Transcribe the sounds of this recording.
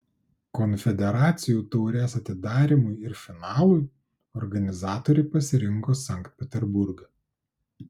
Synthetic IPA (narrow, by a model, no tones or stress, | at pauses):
kɔnʲfʲɛd̪ʲɛɾɑːt̪sʲɪjuːt̪ɔʊɾʲɛːsɐt̪ʲɪd̪ɑːɾʲiˑmʊjɪɾfʲɪnɑːlˠuj | ɔɾɡɐnʲɪzɑːt̪ɔːɾʲɛɪpɐsʲɪɾʲɪŋkoːsɐˑŋkt̪̚ʲpʲɛt̪ʲɛɾbʊɾɡɐ